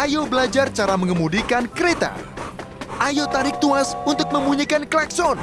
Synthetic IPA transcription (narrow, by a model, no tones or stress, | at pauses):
ʔajobəlad͡ʒart͡ʃaɾaməŋəmudikankəɾet̪a̰ | ʔajot̪aɾɪk̚t̪uasunt̪ʊk̚məmbuɲikanklaksɔn